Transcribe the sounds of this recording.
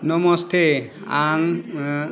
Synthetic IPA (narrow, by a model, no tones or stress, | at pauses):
nɔmɔst̪ʰeaŋ